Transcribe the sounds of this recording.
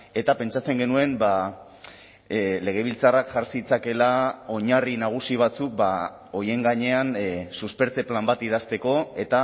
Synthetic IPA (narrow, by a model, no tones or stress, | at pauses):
e̞t̪ape̞nt͡ʃat͡se̞ŋɡe̞nue̞mba | le̞ɣ̞e̞βilt͡sarakʝaɾsit͡sake̞lao̞ɲarinaɣ̞usiβ̞at͡suk̚ba | o̞je̞ŋɡaɲe̞ansuspe̞ɾt͡se̞plambat̪iðast̪e̞ko̞e̞t̪a